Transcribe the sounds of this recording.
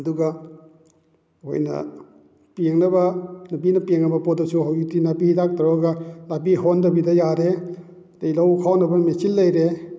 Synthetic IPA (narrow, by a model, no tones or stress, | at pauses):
ɐduɡɐ | ho̰jnɐ̰ | peŋnɐbɐnɐbinɐpeŋnɐbɐpɔt̚dɐsuɦawjutinabidak̚taɾɔɡɐlabiɦondɐbidɐjaɾe | dejlɐwkʰawnɐbɐmet͡ʃilːɐjɾe